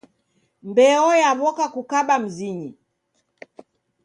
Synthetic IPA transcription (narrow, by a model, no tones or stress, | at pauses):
mbɛɔjaβɔkakukaɓam̩ziɲi